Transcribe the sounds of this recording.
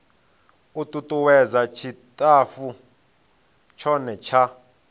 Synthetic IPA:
ut̪ʼut̪ʼuwɛzat͡ʃʰitʼafu | t͡ʃʰɔnɛt͡ʃʰa

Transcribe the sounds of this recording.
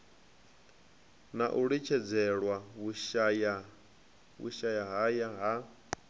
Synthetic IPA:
naʔuɺit͡ʃʰɛd͡zɛɺwaβuʃaja | wṵʃajaɦajaɦa

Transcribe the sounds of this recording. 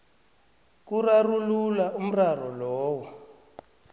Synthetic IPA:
kurarululaʔum̩rarɔlɔːwɔ

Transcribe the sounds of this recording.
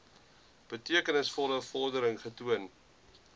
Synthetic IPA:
b̥ətiəkənəsfɔləfɔrdəɾəŋχətuən

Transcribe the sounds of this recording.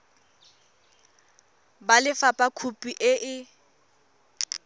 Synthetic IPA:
balɪfapʼakʰupʼiʔɪʔɪ

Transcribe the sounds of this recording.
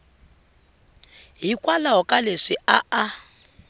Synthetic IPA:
ɦikʼwalaɦɔkʼaleʂiʔaʔa

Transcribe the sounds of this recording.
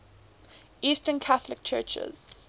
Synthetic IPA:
ʔiːˑstənkʰaθəlɪk̚t͡ʃʰɜːˑt͡ʃɪ̰z̥

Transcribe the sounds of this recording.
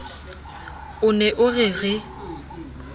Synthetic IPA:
ʊnɛʔʊɣɪɣɪ

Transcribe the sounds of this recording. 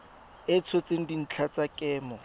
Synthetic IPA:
ɪt͡sʰɔt͡seŋ̩din̩t͡ɬʰat͡sakʼɛːmɔ

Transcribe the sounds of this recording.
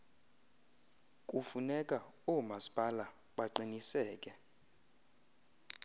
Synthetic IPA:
kʼufunɛkʼaɔmaspʼala | ɓaǃinisɛːkʼɛ

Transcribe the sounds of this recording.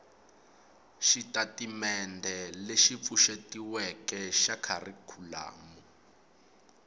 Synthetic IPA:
ʃitatimɛndʱɛleʃip̪fuʃetiwɛkɛʃakʰarikʰula̰ːmu

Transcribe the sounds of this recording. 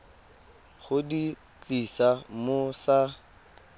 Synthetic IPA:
χʊdi | t͡ɬisamosa

